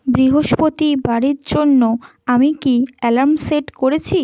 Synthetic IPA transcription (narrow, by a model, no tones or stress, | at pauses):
bɾiɦoʃpot̪ibaɽiɾd͡ʑonːo | amikiɛlaɾmseʈkoɾet͡ɕʰi